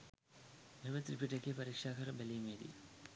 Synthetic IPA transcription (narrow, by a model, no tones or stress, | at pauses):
memət̪ripiʈekeːpaɾikʂaːkəɾəbæliːmeːd̪ḭ